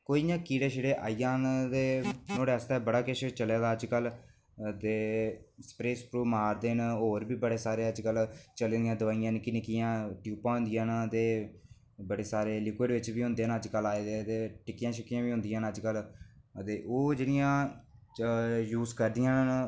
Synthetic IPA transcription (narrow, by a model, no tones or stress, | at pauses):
koːijãːkiːɽeːʃɪɽeːʔaːijãːnd̪eːnoːɽɛːst̪aːbəɽaːkeʃt͡ʃəlaːd̪aːəd͡ʒkəl | d̪eːspɾeːspɾuːmaːɾd̪eːnoːɾbiːbəɽeːsaːɾeːəd͡ʒkəlt͡ʃəleːd̪ijãːd̪əʋaːijãːnkɪnɪkɪjãːʈjuːpãːɦʊ̃nd̪ɪjãːnt̪eː | bəɽeːsaːɾeːlɪkweːɖʋɪt͡ʃbiːɦʊ̃nd̪eːnəd͡ʒkəlaːeːd̪eːt̪eːʈɪkːɪjãːʃəkːijãːbiːɦʊ̃nd̪ɪjãːnəd͡ʒkəlt̪eːʔoːd͡ʒɪnɪjãː | juːzkəɾd̪ɪjãːn